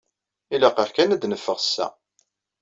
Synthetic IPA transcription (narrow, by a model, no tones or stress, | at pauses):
ilæqɑħkænæd̪nəfːəʁsːæ̰